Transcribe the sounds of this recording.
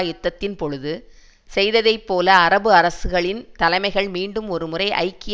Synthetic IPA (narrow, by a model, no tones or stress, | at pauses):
jɪt̪ːɐt̪ːɪnpɔɻɯðɯ | sɛjðɐðɐɪpːoːlɐːɾɐbɯɐɾɐsɯɣɐɭɪnt̪ɐlɐɪmɐɪɣɐɭmiːɳɖɯmɔɾɯmɯrɐɪʔɐ̰ɪkːɪ